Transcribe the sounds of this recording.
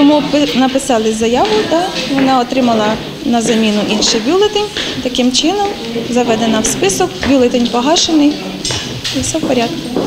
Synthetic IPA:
t̪ɔmupnɐpɪsɑlˠɪzɐjɑʋʊd̪ɑʋɔnɑɔt̪ɾɪmɐlˠɐ | nɐzɐmʲinʊʔinʃɪjbʲulˠɪt̪ɪnʲt̪ɐkɪmt͡ʃɪnɔm | zɐʋɛd̪enɐwspɪsɔkbʲulˠet̪enʲpɔɦɑʃenɪj | isɛwpɔɾʲad̪̚kʊ

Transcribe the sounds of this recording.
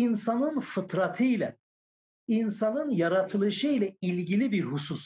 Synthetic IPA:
insanɯnfɯt̪ʰɾat̪ʰɯjlʲɛ | insanɯnjaɾat̪ʰɯlˠɯʃɯjlʲɛilʲɟilʲibiɾhusus

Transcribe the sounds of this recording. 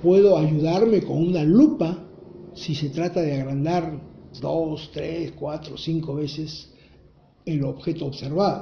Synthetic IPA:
pwe̞ðo̞aʝuðaɾme̞ko̞nunalupasise̞t̪ɾat̪aðeaɣɾand̪aɾd̪ost̪ɾeskwat̪ɾo̞siŋko̞βe̞se̞s | eloβxe̞t̪oːβse̞ɾβaðo

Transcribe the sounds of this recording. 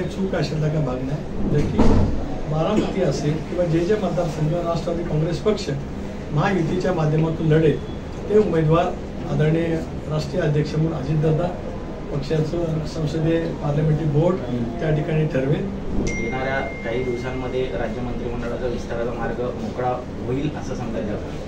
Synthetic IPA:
t͡sukaɕelt̪akabʱaɡɳja | d͡zəɾkʰiːbaɾãmut̪iːəselkĩw̃ʋad͡ʑet͡ɕjamət̪asəŋɡəɾaʂʈɾat̪iːkɔ̃ŋɡɾespəkʂə | majut̪it͡ɕjamad̪ʱjəmat̪uːnləɽe | t̪eumed̪ʋaɾ | ad̪əɾɳjə | ɾaʂʈɾijəəd̪ʱjəkʂəmuɳad͡ʑiːt̪̚d͡zad̪a | pəkʂjat͡susə̃w̃səd̪ʱepaɾlameɳʈiːbʱoɾɽt̪jaʈʰikaɽ̃iːʈʰəɾʋin | d̪eɽ̃aɾjakaɦiːd̪iʋsamːəd̪ʱːjeɾad͡ʑjəmənt̪ɾiːm̤əɳɖəɭat͡səʋist̪aɾat͡samaɾɡʱəmokɭa | ʋoiːləsəsəŋɡ̪ajd͡zat̪a̰

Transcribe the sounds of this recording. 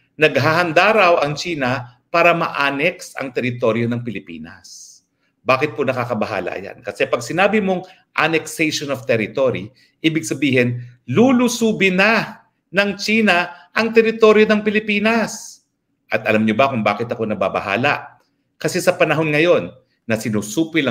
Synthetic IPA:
nɐɡ̚ɦaːhɐnd̪aɾɐwʔɐŋt͡ʃiːnɐpaːɾɐmɐ̰ʔaːnɛksɐ̰ŋt̪ɛɾɪt̪o̞ɾjo̞nɐŋpɪlɪpḭːnɐ̰s | baːkɪt̪̚ponɐkaːkɐbɐɦa̰ːlɐ̰ʔɐ̰ja̰nkɐsɛpɐɡ̚sɪnaːbɪmo̞ŋ | ʔanɛksɛjʃonoft̪ɛɾɪt̪oɾi | ʔiːbɪɡ̚sɐbiːhɪnlulusuːbɪnɐ | nɐŋt͡ʃiːnɐʔɐŋt̪ɛɾɪt̪o̞ɾjo̞nɐŋpɪlɪpiːnɐs | ʔɐt̪ʔɐ̰lamɲobɐkʊŋbaːkɪt̪ɐko̞nɐba̰bɐ̰ha̰ːlɐ̰ʔ | kɐsɛsɐpɐnɐɦo̞nŋɐjo̞nː | ɐsɪnuːsuːpɪlɐ

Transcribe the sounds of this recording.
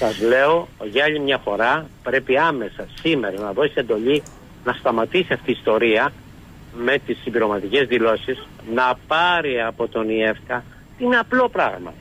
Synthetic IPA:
sɐzle̞o̞ʝɐʎimɲɐfo̞ɾɐpɾe̞piɐme̞sɐsimeɾɐnɐðo̞sise̞nd̪o̞ʎi | nɐst̪ɐmɐt̪isiɐft̪iːst̪o̞ɾiɐ | me̞t̪isimbiɾo̞mɐt̪ice̞zðilo̞siz | nɐpɐɾiɐpo̞t̪o̞nie̞fkɐ | t̪iineɐplo̞pɾɐɣmɐ̰

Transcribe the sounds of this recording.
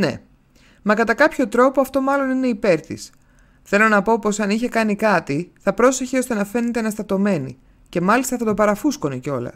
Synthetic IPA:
ne̞̰ | mɐkɐt̪ɐkɐpço̞t̪ɾo̞poɐft̪o̞mɐlo̞nine̞ipe̞ɾt̪ḭs | θe̞lo̞nɐpo̞posɐniçe̞kɐnikɐt̪iθɐpɾo̞se̞çeo̞st̪e̞nɐfe̞ne̞t̪eenɐst̪ɐt̪o̞me̞nḭ | ce̞mɐlist̪ɐθɐt̪opɐɾɐfusko̞neceo̞lɐ̰

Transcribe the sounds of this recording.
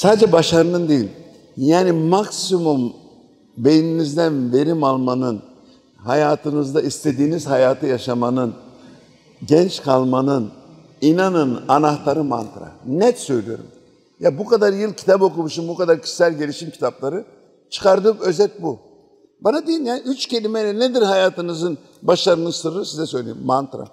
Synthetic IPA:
saːd̪d͡ʒɛbaʃaɾɯnɯnd̪e̞jilʲ | jaːnimaksimum | be̞j̪inizd̪ænve̞ɾimalˠmanɯn | hajaːt̪ʰɯnɯzd̪aist̪ʰe̞d̪iːnizhajaːt̪ʰɯjaʃamanɯn | ɟɛnt͡ʃkʰalˠmanɯn | inanɯnanaxt̪ʰaɾɯma̰nt̪ɾa̰nɛt̪sø̞jlʲyjo̞̰ɾṵm | jabukad̪aɾjɯlˠcʰi̥t̪ʰapo̞kumuʃunbukad̪aɾcʰi̥ssælʲɟe̞lʲiʃimcʰi̥t̪ʰaplˠaɾɯ | t͡ʃʰɯ̥kʰaɾd̪ɯkø̞zɛt̪̚bu | banad̪ejilnjaːniyt͡ʃcʰe̞lʲimejlʲɛned̪iɾhajaːt̪ʰɯnɯzɯn | baʃlˠaɾɯnɯzsɯɾɯɾsizɛsø̞jlʲejimːant̪ɾa̰

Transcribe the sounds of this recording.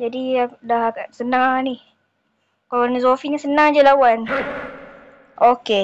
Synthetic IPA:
d͡ʒadidaɦsənaŋanih | kalanizofiɲasənaŋad͡ʒalawan | ʔoke

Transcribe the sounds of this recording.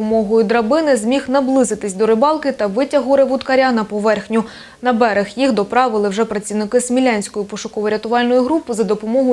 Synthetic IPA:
ɔmɔɦɔjʊd̪ɾɐbɪnɪzmʲixnɐblˠɪzɪt̪ɪsʲd̪ɔɾɪbɑlˠkɪt̪ɐʋɪtʲɐɦɔɾɪʋʊt̪kɐɾʲanɐpɔʋɛrxnʲʊ | nɐbɛɾexjixd̪ɔpɾɑʋɪlˠɪwʒɛpɾɐt͡sʲiwnɪkɪsmʲilʲɑnʲsʲkɔjʊpɔʃʊkɔʋɔɾʲɐt̪ʊʋɑlʲnɔjʊɦɾupɪzɐd̪ɔpɔmɔɦʊ

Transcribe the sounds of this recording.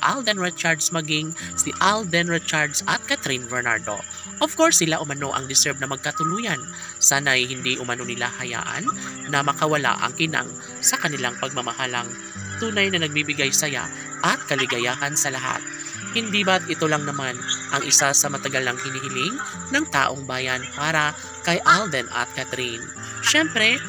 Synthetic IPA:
ʔa̰ld̪ɛnɹɛt͡ʃaɹd̪smɐɡiŋsiʔald̪ɛnɹɛt͡ʃaɹd̪sɐt̪̚kat̪ɾinbɛɹna̰ɹd̪o̞̰ | ʔɔvkoɹsːɪlaʔʊmɐno̞ʔɐ̰ŋd̪ɪsɛɹb̚nɐmɐɡ̚kɐt̪ʊluːjɐn | saːnɐʔɐjhɪnd̪iʔʊmɐno̞nɪla̰hɐja̰ːʔɐ̰nːɐmɐkɐwɐla̰ʔɐ̰ŋkɪna̰ŋ | sɐkɐnɪlaŋpɐɡ̚mɐmɐhalɐŋ | t̪uːnɐjnɐnɐɡ̚bibɪɡajsɐja̰ | ʔɐt̪̚kɐlɪɡɐjaːhɐnsɐlɐɦa̰t̪̚ | hɪnd̪iːbɐt̪̚ʔɪt̪o̞lɐŋnɐmanʔɐŋʔɪsasɐmɐt̪ɐɡalɐŋhɪnɪhɪlɪŋ | nɐŋt̪a̰ːʔo̞ŋbaːjɐnpaːɾɐ | kɐjʔald̪ɛnʔɐ̰t̪̚kat̪ɾin | ʃɛmpɾɛ

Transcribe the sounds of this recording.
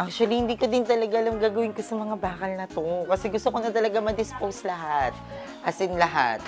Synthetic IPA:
ʔak̚ʃʊwɐlihɪnd̪iːkod̪ɪnt̪ɐlɐɡaʔɐlamɡaːɡɐwɪnkosɐmɐŋabaːkɐlnɐt̪o̞kɐsɛɡʊst̪okonɐt̪ɐlɐɡamɐd̪ɪspowslɐɦat̪̚ | ʔɐsɪnlɐɦa̰t̪̚

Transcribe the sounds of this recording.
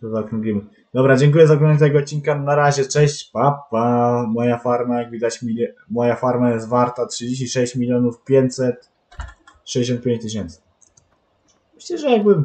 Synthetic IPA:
t̪ɔzaɔkɾɔŋɡlʲimɘ | d̪ɔbɾad͡ʑɛŋk̬ujɛzaɡɾɔnaɲɛt̪ɛɡɔːt̪̚t͡ɕːinkanaɾaʑɛt͡ʂɛɕt͡ɕpapːamɔjafaɾmajaɡvʲid̪at͡ɕmʲimɔjafaɾmajɛst̪vaɾt̪atʂɨd͡ʑeɕ̬t͡ɕiʂɛɕt͡ɕmʲilʲjɔnufpʲjeɲt̪ʲsɛt̪ | ʂɛd͡ʑd͡ʑeɕɔ̃nt̪̚pʲjeɲt͡ɕt̪ɪɕ̬ɛnt̪sɘ̥ | mɘɕlɛʐɛjaɡ̚bɘ

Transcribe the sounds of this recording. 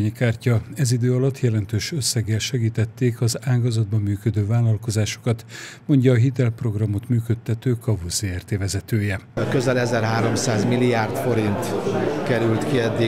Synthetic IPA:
ɲikaːrcɒɛzid̪øːɒlɒt̪ːjɛlɛnt̪øːʃøsːɛɡɛlʃɛɡiːt̪ɛt̪ːeːkɒzaːɡɒzɒd̪̚bɒmːyːkød̪øːvaːlːɒlko̞zaːʃo̥kɒt̪mo̞ɲɟɒːɦit̪ɛlpro̞ɡrɒmo̞t̪myːkøt̪ʰːɛt̪øːkɒvuseːɛrt̪eːvɛzɛt̪øːjɛkøzɛlɛzɛrɦaːɾo̞msaːzmilːiaːrt̪fo̞ɾint̪kɛɾylt̪kiɛd̪ːi

